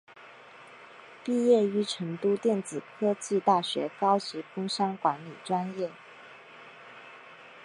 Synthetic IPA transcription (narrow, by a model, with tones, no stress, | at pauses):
pi˥˧jɛ˥˩y˧˥ʈ͡ʂʰɤ˧˥ŋt̪u˥t̪jɛ˥˩nt͡sɹ̩˨˩kʰɤ˥t͡ɕi˥˧t̪a˥˩ɕɥɛ̰˧˥kɑ˥ʊt͡ɕi˧˥fʊ˥ŋʂɑ˥ŋkwa˧˥nli˨˩ʈ͡ʂwa˥njɛ˥˩